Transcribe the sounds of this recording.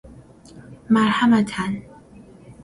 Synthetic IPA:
malhamatʰan

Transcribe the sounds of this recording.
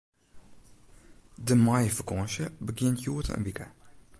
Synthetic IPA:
dəmajəfəkɔnʃəbəɡɪntjuətə̰ə̰nbikə

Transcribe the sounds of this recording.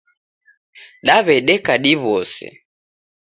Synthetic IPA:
ɗaβɛɗɛkaɗiβɔsɛ̰

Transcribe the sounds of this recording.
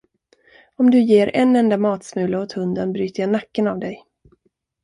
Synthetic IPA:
ɔmd̪ɵjeːɾɛ̰nɛnd̪amɑːt̪smʉ̟ːlaɔt̪hɵnd̪ənbɾyːt̪əjanakːənavd̪ɛj

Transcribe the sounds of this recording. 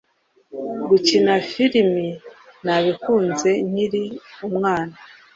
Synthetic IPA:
ɡucinafiɾiminaβikuːnze̞niɾiumŋaːna

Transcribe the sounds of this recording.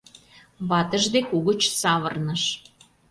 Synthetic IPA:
βɑt̪əʒd̪ekuɣə̆t͡ɕsɑβərnəʃ

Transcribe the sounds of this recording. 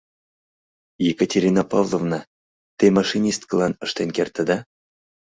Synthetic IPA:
jekətʲeɾʲinapɑvlˠovnɑ | t̪emɑʃinʲist̪̚kəlˠɑnə̆ʃt̪enkert̪əd̪ɑ

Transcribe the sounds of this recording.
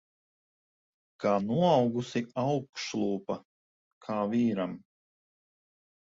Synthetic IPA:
kaːnuɔawɡusiawkʃlˠuːpa | kʰaːviːɾam

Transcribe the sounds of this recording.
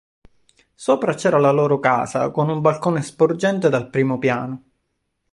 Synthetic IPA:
soːpɾat͡ʃɛːɾalaloːɾoka̰ːza̰konumbalkoːnespord͡ʒɛnt̪ed̪alpɾiːmopjaːno

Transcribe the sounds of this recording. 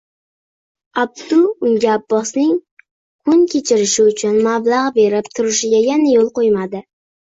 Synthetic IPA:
ab̚d̪ʊʊŋɡʲaːbːɒsnɪŋ | kʰʊnkʲʰe̞t͡ʃʰɪɾɪʃɪʊt͡ʃʰʊnmablˠaʁbe̞ɾɪpt̪ʰʊɾɪʃɪɡʲajanajolˠqojmad̪ɪ

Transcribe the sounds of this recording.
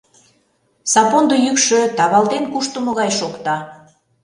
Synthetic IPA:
sɑpond̪ojykʃøt̪ɑβɑld̪enkuʃt̪əmə̆ɣɑjʃokt̪ɑ

